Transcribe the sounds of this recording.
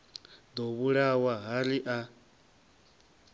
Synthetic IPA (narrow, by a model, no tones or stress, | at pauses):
d̪ɔβuɺawaɦaliʔa